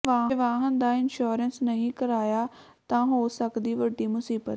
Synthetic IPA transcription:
ʋãːɦʋãːɦənd̪aːɪnʃuːɾənsnəɦĩːkəɾaːjaː | t̪ãːɦoːsəkd̪iːʋəɖːiːmʊsiːbət̪

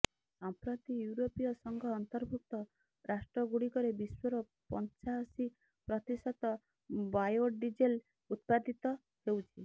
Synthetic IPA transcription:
sɔmpɾɔt̪ijuɾopijɔsɔŋɡʱɔːnt̪ɔɾbʱuk̚t̪ɔ | ɾʔasʈɾɔɡuɽikɔɾebiswɔɾɔ | pɔnt͡ʃaɔsi | pɾɔt̪isɔt̪ɔ | bajoɖid͡ʒel | ut̪̚pad̪ʱit̪ɔ | ɦewt͡ʃʰi

